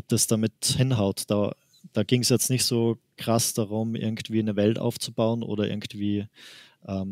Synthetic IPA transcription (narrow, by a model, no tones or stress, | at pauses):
ʔɔp̚d̥asd̥amɪthɪnɦaʊtd̥a̰ː | d̥aːɡɪŋsjɛt͡stnɪçtz̥oːkʁ̥asd̥aʁʊmʔɪ̰ɐɡŋ̩tv̥iːnəvɛltʔa̰ʊft͡subaʊənʔo̰ːdɾɐʔɪ̰ɐɡŋ̩tv̥iː | ʔɛːm